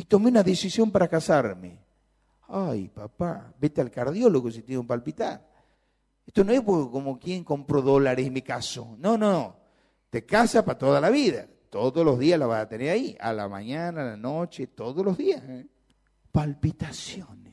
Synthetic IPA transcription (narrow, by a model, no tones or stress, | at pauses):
it̪o̞meunaðesisjo̞mpaɾakasaɾmḛ | ajpapabet̪ealkaɾðjoloɣosit̪eumpalpit̪a̰ɾ | eht̪onoespoɾkomokjeŋkompɾoðolaɾesimikaso̰nonono | t̪ekasapat̪oðalaβiða̰ | t̪oðoslo̞zðiaslaβasat̪eneɾaiʔa̰la̰ma̰ɲanaːlanot͡ʃet̪oðoslozðias | palpit̪asjones